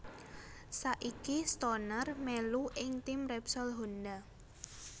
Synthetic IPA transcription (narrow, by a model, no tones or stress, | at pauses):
saʔikist̪ɔnərmɛluʔɪŋt̪ɪmrɛpsɔlɦond̪a